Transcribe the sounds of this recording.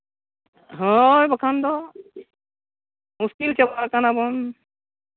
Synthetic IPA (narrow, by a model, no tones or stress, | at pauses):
ɦɔjbakʰand̪ɔ | muskilt͡ʃɛbaakanabɔn